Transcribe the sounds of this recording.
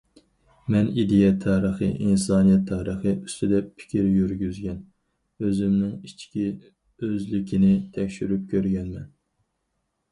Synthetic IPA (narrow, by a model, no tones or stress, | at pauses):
mɛnid̪ɪjɛt̪ʰːɑːɾəχɨ̰ʔinsɑːnijɛt̪ʰːɑːɾəχɨyst̪ɪd̪ɛpʰɪ̥kʲʰiɾjyɾɡʲyzɡʲɛn | øzɪmnɪŋit͡ʃʰkʲi | øzlɪkʲinɪt̪ʰɛkʲʃyɾyp̚kʲʰøɾɡʲɛnmɛn